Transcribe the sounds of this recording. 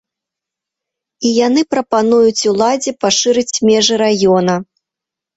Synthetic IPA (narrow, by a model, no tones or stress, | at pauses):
ijanɨpɾɐpanujut͡sʲulˠad͡zʲɛpaʂɨɾɨt͡sʲmʲɛʐɨɾajɔnɐ